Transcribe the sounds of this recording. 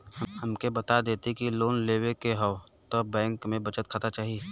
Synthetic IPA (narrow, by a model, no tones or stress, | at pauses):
həhɐmkebɐt̪ad̪eːt̪ikiloːnleːwekeɦɔo | t̪obɛ̃ːŋkmẽbɐt͡ʃət̪̚kʰat̪at͡ʃaːɦi